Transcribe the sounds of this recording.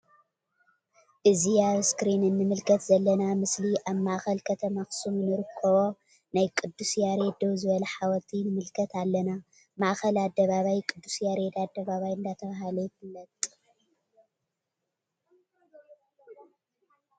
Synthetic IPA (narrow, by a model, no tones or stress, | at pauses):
ʔɨziaskɾinɨnːɨmɨlkʰɐt̪zɐlːɐnamɨsliʔaβmaʔxɐlkʰɐt̪ʰɐmaxsumnɨɾɨkʰːɐβo̞ | najkʼɨd̪ːusjaɾed̪owzɨβɐlɐħawɔt̪ʰinɨmɨlkʰɐt̪alːɐna | maʔxɐlad̪ːɐβaβajkʼɨd̪ːusjaɾed̪ad̪ːɐβaβajɨnd̪at̪ʰɐβaɦalokʰɨlːɐt̪ʼ